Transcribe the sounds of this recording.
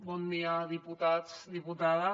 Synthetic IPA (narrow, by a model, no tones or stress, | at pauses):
bɔnd̪iaðiput̪asd̪iput̪aða